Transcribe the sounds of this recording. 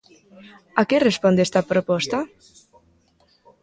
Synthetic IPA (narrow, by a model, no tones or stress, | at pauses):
akerespɔnd̪est̪apɾopɔst̪a